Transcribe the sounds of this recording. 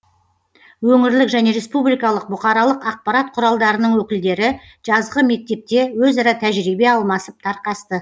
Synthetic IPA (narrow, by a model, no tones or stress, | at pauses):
wɵŋɪɾlɪkʒæne̞ɾe̞spublijkɑlˠəq̚bʊqɑɾɑlˠəqɑq̚pɑɾat̪̚qʰʊɾɑlˠd̪ɑɾənəɴwɵkʲɪld̪e̞ɾɪ | ʒ̥ɑzʁəme̞k̚t̪e̞p̚t̪e̞wɵzɑɾɑt̪ʰæʒɾibe̞ɑlˠmɑsəp̚t̪ʰɑɾqɑst̪ə